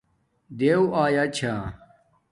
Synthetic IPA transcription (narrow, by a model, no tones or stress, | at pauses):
d̪eːwaːjat͡ɕʰa